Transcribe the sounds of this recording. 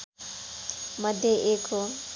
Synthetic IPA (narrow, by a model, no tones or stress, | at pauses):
məd̪ʱjeʔekʰo